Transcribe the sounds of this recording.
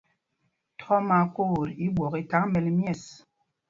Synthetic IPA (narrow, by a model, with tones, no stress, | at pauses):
tʰɔ˦ma˦ko˦˨ɾi˦ɓwɔ˨ki˦ta˦ŋmɛ˨lmjɛ˦˨s